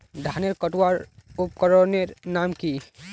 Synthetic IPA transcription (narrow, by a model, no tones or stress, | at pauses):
ɖ̪ʱaːneɾkəʈwaɾup̚kəɾɔɾneɾnamki